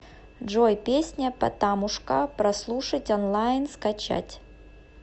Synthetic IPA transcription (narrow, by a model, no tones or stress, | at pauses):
ʐojpʲesʲnʲɐpɐ̰t̪amʊʂkɐpɾɐslˠuʂɐtʲɔnlˠajnskɐt͡ɕa̰tʲ